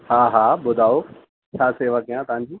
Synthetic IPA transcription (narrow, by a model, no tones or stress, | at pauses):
ɦaːɦaːbʊd̪ʱaːo | t͡ɕʰaːseːʋəkijãt̪ɐʋ̤ãɲd͡ʑiː